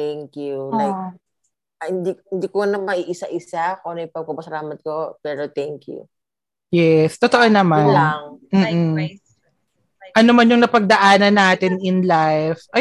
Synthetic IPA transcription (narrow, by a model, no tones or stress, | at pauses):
t̪ɛŋkjulajk̚ | ɐhɪnd̪ikhɪnd̪ikonɐmɐʔiʔɪsaʔɪsakonɐjpɐɡ̚pɐpɐsɐlaːmɐt̪̚kopɛːɾot̪ɛŋkjṵ | jɛst̪ot̪oʔonɐmanŋm̩ːʔ̩ | ʔɐnomɐnjʊŋnɐpɐɡ̚d̪ɐʔaːnɐnːaːt̪ɪnɪnlajfʔɐ